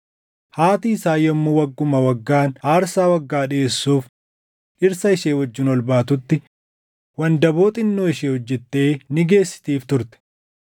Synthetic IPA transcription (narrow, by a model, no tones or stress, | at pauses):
haːt̪iːɪsaːjɔmːuwɐɡːʊmɐwɐɡːaːnaːɾsaːwɐɡːaːᶑɪeːsːuːf | ʔɪɾsɐɪʃeːwɔd͡ʒːɪnɔlbaːt̪ʊt̪ːɪ | wɐnd̪ɐboːt̪ʼɪnːoːɪʃeːhɔd͡ʒːɛt̪ːe̞ːnɪɡe̞ːsːɪ̥t̪iːft̪ʊɾt̪ɛ̥